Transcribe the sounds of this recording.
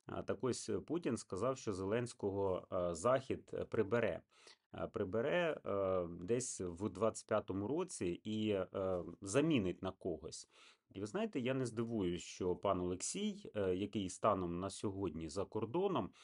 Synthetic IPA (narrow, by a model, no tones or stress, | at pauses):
t̪ɐkɔsʲputʲinskɐzɑwʃt͡ʃɔzelˠɛnʲsʲkɔɦɔzɑxʲid̪pɾɪbeɾɛ̰ | pɾɪbeɾɛ | d̪ɛsʲwd̪ʋɑt͡sʲɪ̥t̚ʲpʲjat̪ɔmʊɾɔt͡sʲii | zɐmʲinɪt̚ʲnɐkɔɦɔsʲ | iʋɪznɑjɪt̪ɛjanezd̪ɪʋujʊʃt͡ʃɔpɑnɔlˠeksʲijjɐkɪjst̪ɑnɔmnɐsʲɔɦɔdʲnʲizɐkɔrd̪ɔnɔm